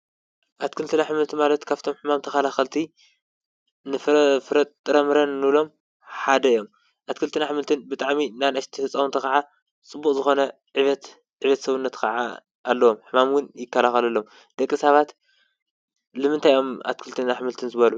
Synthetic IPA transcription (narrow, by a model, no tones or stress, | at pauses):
ʔat̪kʰɨlt̪ʰɨnaħɨmɨlt̪ʰimalɐt̪kʰaβt̪ʰo̞mħɨmamt̪ʰɐxalaxɐlt̪ʰi | nɨffɨɾɐt̪t̪ʼːɨɾɐmɨɾɐnːɨβlo̞m | ħad̪ɐjːo̞m | ʔat̪kʰɨlt̪ʰɨnaħmɨlt̪ʰɨnbɨt̪ʼaʕminanɐʃt̪ʰihɨt͡sʼːawɨnt̪ʰɐxɐʕa | t͡sʼɨbːukʼzɨxo̞nɐ | ʕiβɐt̪ | ʕiβɐt̪sɐβɨnːɐt̪kʰɐʕa̰ | ʔːlːɐwo̞mħɨmamɡɨnjɪkːɐlaxɐlɐlːom | d̪̥ɐkʼːisaβat̪ | lɨmɨnt̪ʰajʔo̞mʔa̰t̪̚kʰɨlt̪ʰɨnaħmɨlt̪ʰɨnzɨβɐlu